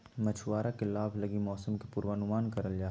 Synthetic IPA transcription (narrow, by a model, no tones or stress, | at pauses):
mɐt͡ʃʰwaːɾakelaːbʱlɐɡimɔːsəmkepuɾwaːnʊmaːnkɐɾəld͡ʒaː